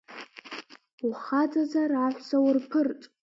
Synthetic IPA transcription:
uχad͡zʼazaɾaħʷsawrpʰɨrtʼ

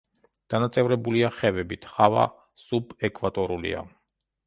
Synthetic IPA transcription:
d̪̥anat̪sʼɛvɾɛbuliaχɛvɛbit̪ʰχava̰ | subɛkʼvat̪ʼɔɾulḭa̰

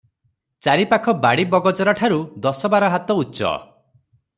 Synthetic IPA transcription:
t͡ʃaɾipakʰɔbaɽibɔɡɔd͡ʒɔɾaʈʰaɾud̪ɔsɔbaɾɔɦat̪ɔutːt͡ʃɔ̰

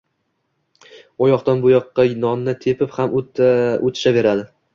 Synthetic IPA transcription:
ɒjɒqt̪anbʊjɒqːɑnɒnːɪt̪ʰe̞pʰɪphamʔot̪ʰɪ̥ʃave̞ɾad̪ɪ

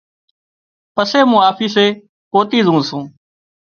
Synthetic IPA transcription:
pəseːmũːaːfʰiːseː | koːt̪iːzũːsũː

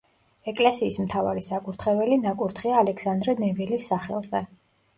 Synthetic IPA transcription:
ɛkʼlɛsiːsmt̪ʰavaɾisakʼuɾt̪ʰχɛvɛlinakʼuɾt̪ʰχiaːlɛkʰsand̪ɾɛnɛvilisːaχɛ̰lˠzɛ

